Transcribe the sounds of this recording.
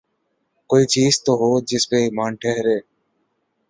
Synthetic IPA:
koːiːt͡ʃiːzt̪oːɦoːd͡ʒɪspeːimãːnʈʰeɦɾeː

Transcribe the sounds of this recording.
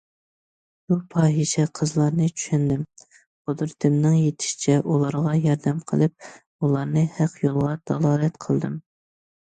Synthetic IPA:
bupʰɑːɦiʃɛqʰəzlˠɑɾnɨt͡ʃʰy̥ʃɛnd̪ɪm | χod̪ɨɾt̪ʰɪmnɪŋjet̪ʰɪ̥ʃi̥t͡ʃʰɛʔulˠɑɾʁɑjɑɾd̪ɛmqʰə̰lˠɨp̚ | ulˠɑɾnɨhæqjolˠʁɑd̪̥ʰɑlˠɑːlɛt̪qʰəlˠd̪ɨ̰m

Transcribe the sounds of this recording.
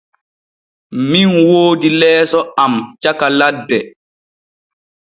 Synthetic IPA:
minwoːdilɛːsɔamt͡ʃakaladːɛ

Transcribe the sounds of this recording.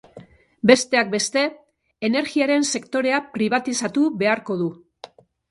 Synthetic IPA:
be̞st̪e̞ak̚be̞st̪e̞ː | ne̞ɾɣiaɾe̞nse̞kt̪o̞ɾe̞apɾiβ̞at̪isat̪uβe̞aɾko̞ðu

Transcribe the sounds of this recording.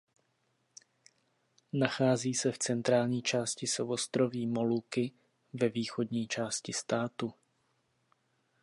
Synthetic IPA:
naxaːziːsɛft͡sɛnt̪ɾaːlɲiːt͡ʃaːscɪsovost̪ɾoviːmolukɪ | vɛviːxod̪ɲiːt͡ʃaːscɪst̪aːt̪u

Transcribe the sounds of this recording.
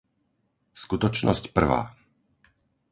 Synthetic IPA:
skut̪ɔt͡ʃnɔscpr̩ʋa̰ː

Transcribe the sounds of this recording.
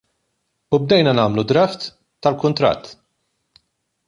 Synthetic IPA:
ub̚d̪ɛjnɐnɐːmlud̪ɾɐft̪ː | ɐlkʊnt̪ɾɐ̰t̪ː

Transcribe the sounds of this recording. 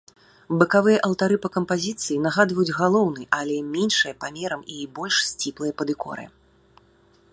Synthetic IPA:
bɨkavɨjɐʔɐlˠt̪aɾɨpɐkɐmpazʲit̪sɨjinaɣad̪vɐjud͡zʲɣalˠɔwnɨʔalʲɛmʲɛnʂɨjɐpamʲɛɾɐmibɔlʲʂsʲt͡sʲiplˠɨjɐpɐd̪ɨkɔ̰ɾɨ̰

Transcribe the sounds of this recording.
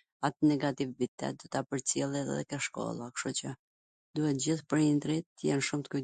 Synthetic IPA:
at̪nɛɡat̪ivbit̪ɛ̰t̪̚d̪ɔt̪apəɾt͡sɛlˠɛt̪ɛðɛ̰kəʃkɔ̰lˠakʃut͡ɕə | d̪uhɛt̪d͡ʑiθpəɾɲind̪ɾit̪ːəjɛnʃumt̪ə̥ky

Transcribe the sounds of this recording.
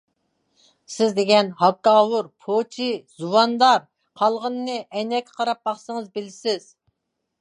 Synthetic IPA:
sɪzd̪eɡʲɛnhɑkːɑːwuɾpʰot͡ʃʰizuwɑnd̪ɑɾ | qʰɑlˠʁənːɨʔɛnɛkʲʰːqʰɑɾɑp̚bɑχsəŋəzbɪlsɪz̥

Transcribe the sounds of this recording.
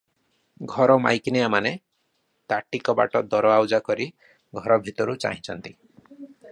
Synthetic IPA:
ɡʱɔɾɔma̰jkinijamane | t̪aʈikɔba̰ʈɔd̪ɔɾɔawd͡ʒakɔɾi | ɡʱɔɾɔbʱit̪ɔɾut͡ʃa̰ɦĩt͡ʃʰɔnt̪i

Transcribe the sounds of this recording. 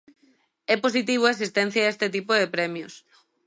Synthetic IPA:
ɛpos̬it̪iβ̞oesist̪ɛn̟θjaest̪et̪̬ipoðepɾɛmjos

